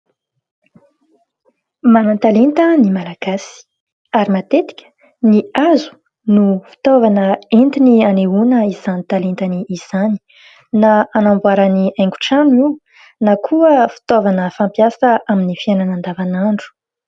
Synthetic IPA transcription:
manant̪alent̪ənimalaɡ̥asi̥ | aɾimat̪et̪i̥kʲʰə̥ | niazu̥ | nufi̥t̪ovanəent̪inianeunəizanit̪alent̪aniːz̥ani̥ | naanambuaɾaniajŋɡu̥ʈ͡ʂani | nakʰuəfi̥t̪ovanəfampjasəʔaminifiananand̪avanaɳɖ͡ʐu̥

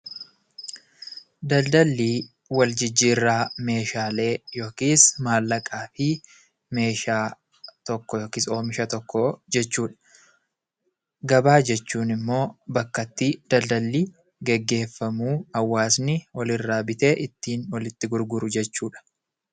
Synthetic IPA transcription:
d̪ɐld̪ɐlːiː | wɐld͡ʒɪd͡ʒːiːrːaːme̞ːʃaːle̞ːjo̞ːkiːsmaːlːɐkʼaːfɪ | me̞ːʃaː | t̪ɔkːɔjoːkiːso̞ːmɪʃɐt̪ɔkːɔd͡ʒɛt͡ʃːuːᶑɐ̥ | ɡɐbaːd͡ʒɛt͡ʃːuːnɪmːo̞ːbɐkːɐt̪ːid̪̥ɐld̪ɐlːiː | ɡɛɡːe̞ːfːɐmuːɐwːaːsnɪwɐlɪrːaːbɪt̪e̞ːʔɪt̪ːiːnwɐlɪt̪ːɪɡʊɾɡʊɾʊd͡ʒɛt͡ʃːuːᶑɐ̥

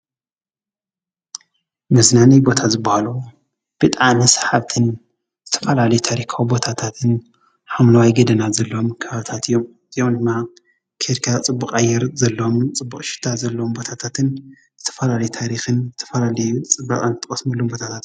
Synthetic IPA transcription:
mɨznanɐjbo̞t̪ʰazɨbːahalu | b̥ɨt̪ʼanisħaβt̪ʰɨn | zɨt̪ʰɐ̥fɐlalɐjut̪ʰaɾikʰawibo̞t̪ʰat̪ʰat̪ʰɨn | ħamnɐwajɡɐd̪ɐnazɐlːomkʰɐβaβt̪ʰat̪ijːom | zjomd̪ɨmːa | kʰeɾkʰat͡sʼɨbːukʼajːɛɾzɐlːɐmt͡sʼɨbːukʼʃɪ̥t̪ʰːazɐlːɐwombo̞t̪ʰat̪ʰat̪ʰɨn | z̥ɨt̪ʰɐ̥fɐlalɐjut̪ʰaɾixɨnzɨt̪ʰɐ̥fɐlalɐjut͡sʼɨbːɐkʼant̪ʰʼɨkʼɐsmɐlːombo̞t̪ʰat̪ʰat̪

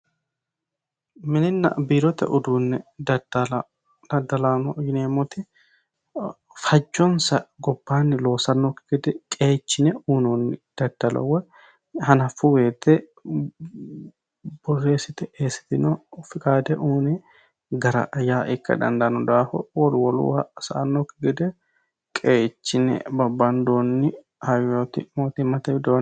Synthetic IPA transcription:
mɪnɪnːɐ̰biːɾɔt̪ːɛ̰ʔʊd̪uːnːɛd̪ɐd̪l | d̪ɐd̪ɐlaːnɔjɪneːmːɔt̪ɪ | fɐd͡ʒːɔnsɐɡɔbːaːnːɪlo̞ːsɐnːɔkːɪɡɛd̪ɛkʼe̞ːt͡ʃːɪnɛuːnɔnːɪd̪̥ɐd̪̥ːɐlɔ̰wɛ | hɐnɐfʊweːt̪ːɛ | b̥ɔrːeːsɪt̪ɛʔeːsɪ̥t̪ɪnɔfɪkʼaːd̪ɛʔuːnɛ | ɡɐɾɐ̰ʔjaːʔɪkːɐ̰d̪ɐ̰nd̪ɐnɔd̪aːfɔ̰wɔɾʊwɔlṵasɐ̰ʔɐnːɔkːɪɡɛd̪ɛ | kʼeːt͡ʃːɪnɛ̰bɐbːɐnd̪oːnːɪ | hɐjoːt̪ɪmoːt̪ɪmɐt̪ɛbɪd̪oːn

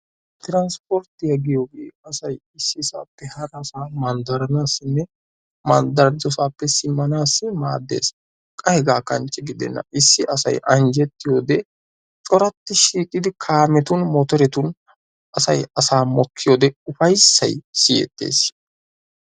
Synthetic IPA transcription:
t̪ɪɾanspɔɾt̪ːɪjɐɡɪjoːɡḛːɐsɐjɪsːɪsa̰ːpːɛhɐɾɐsaːmɐnd̪ɐɾɐnaːsːɪnːɛ | mɐnd̪ɐɾd̪ɔsaːpːɛsɪmːɐnaːsːɪma̰ːd̪ːḛːs | kʼɐhɛɡaːkɐnt͡ʃʼːɛɡɪd̪ɛ̰nːɐ̰ʔɪsːɪʔɐsɐ̰jʔɐnd͡ʒɛt̪ːɪjo̞ːd̪ɛ | t͡ʃʼɔɾɐt̪ːɪʃiːkʼːɪd̪ɪkʰaːmɛt̪ʊnmɔt̪ɔɾɛt̪ʊn | ʔɐsɐjɐsaːmɔkʰːɪjoːd̪ɛʊfɐjsːɐ̰jsɪjɛ̰t̪ːḛːs

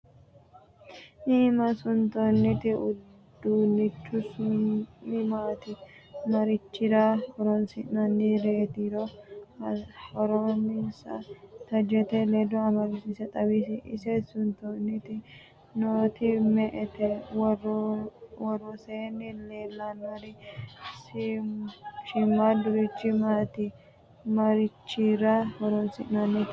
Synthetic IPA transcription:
ʔiːmɐsʊnt̪onːɪt̪ɪʊddd̪ːunːɪt͡ʃːʊsʊɪmaːt̪ɪ | mɐɾɪt͡ʃːɪd̪ahɔɾɔnsɪnɐnːiɾeːt̪iɾɔɐhɔɾɔnɪsɐ̰t̪ɐd͡ʒɛt̪ɛleːdɔɐmɐɾɪsɪsɛt̪ʼɐbis̬ɪʔɪ̰sɛsʊnt̪onɪt̪ɪ | noːt̪ɪmɛʔɛt̪ɛwrɔwɔrːɔseːnːɪleːlːɐnɔɾɪs | ʃɪmːad̪ʊɾɪt͡ʃːɪmat̪ɪ | mɐɾɪt͡ʃːiɾɐhɔɾɔnsɪ̰ʔnɐnːi

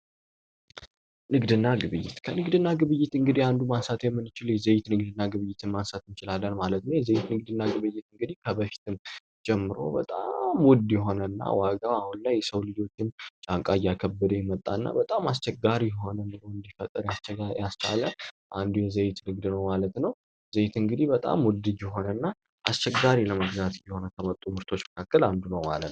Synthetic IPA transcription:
nɨɡd̪ɨnːaɡɨβɨjːɪ̰t̪kʰənɨɡd̪ɨnːaɡɨβɨjːɪt̪ɨŋɡɨd̪iand̪umansat̪jɛmːɨnːɨt͡ʃɪljɛzəjɪt̪nɨɡ̚d̪ɨnːaɡɨβɨjːɪt̪ʰɨnmansat̪ɨnt͡ʃɪlalːənmalət̪nəwjɛzəjɪt̪nɨɡ̚d̪ɨnːaɡɨβɨjːɪt̪ɨŋɡɨd̪ikʰəbəfi̥t̪ʰɨn | d͡ʒʼɛmːɨɾo̞̰bət̪ʼamwɔd̪jɛɦo̞nənːa̰waɡaahunlajɛsəwlɨd͡ʒo̞t͡ʃːɪnt͡ʃʼaŋkʼajːakʰəbːəd̪əjɛmət̪ʼːa̰nːa̰bət̪ʼamast͡ʃɛɡːaɾijɛɦo̞nəmɨlojɨnd̪ifət̪ʼːəɾjasɛajast͡ʃʰa̰lə | ʔand̪jɛzəjɪt̪nɨɡd̪nəwmalət̪nəw | zəjɪt̪ɨŋɡɨd̪ibət̪ʼa̰mwɔd̪ɨd͡ʒjɛɦo̞nənːa | ʔast͡ʃɛɡaɾiləməɡzat̪jɛho̞nəkʰəmət̪ʼumɨɾt̪ʰo̞t͡ʃːmə̥kʰakːəland̪unəwmalət̪n

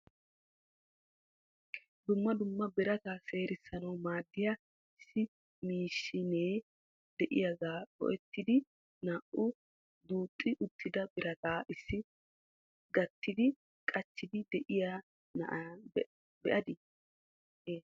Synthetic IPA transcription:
d̪ʊmːɐd̪ʊmːɐbɪɾɐt̪aːse̞ːɾɪsːɐnɐwmaːd̪ːɪja | ɪsːɪ | miːʃːɪneː | d̪ɛʔɪ̰jɐɡaːkɔ̰ʔɛt̪ːɪd̪ɪ | naːʔʊ | d̪uːt̪ʼːɪʔʊt̪ːɪd̪ɐbɪɾɐt̪aːʔɪsːɪ | ɡɐt̪ːɪd̪ɪ | kʼɐt͡ʃːɪd̪ɪd̪ɛʔɪjaː | nɐ̰ʔa | bɛʔɐd̪ɪ | eː

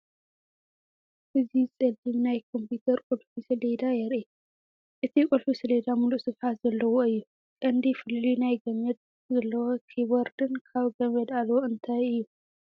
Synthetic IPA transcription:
ʔɨzisʼɐd̪imnajkʰo̞mput̪ʰɐɾkʼulfisɨled̪ajɛɾʔe | ʔɨt̪ʰikʼulfisɨled̪amuluʔsɨɡħat̪z̥ɐlːɐwoɨjːu | kʼɐnd̪ifɨllinajɡɐmɐd̪̚ | zɐlːɐwokʰibɐɾd̪ɨnkʰaβɡɐmɐd̪alwoɨnt̪ʰajɨjːu

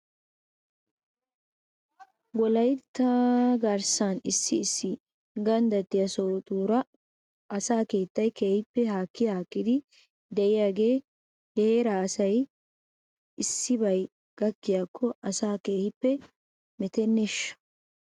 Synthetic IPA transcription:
ɡɔlɐjt̪ːɐɡɐɾsanɪsːɪːsːɪ | ɡɐnd̪ɐt̪ːɪjɐsɔt̪ʼuːɾɐ | ɐsaːke̞ːt̪ːɐjke̞ːhɪpːɛɦaːkːɪjhaːkːɪd̪ɪ | d̪ɛʔɪjaːɡe̞ː | heːɾaːɐsɐj | ɪsːɪbɐj | ɡ̥ɐkːɪjaːkʰːɔʔɐsaːke̞ːhɪpːɛ | mɛt̪ɛnːɛʃːɐ̥

